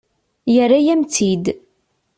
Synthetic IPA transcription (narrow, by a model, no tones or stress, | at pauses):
jərːajæmt͡sid̪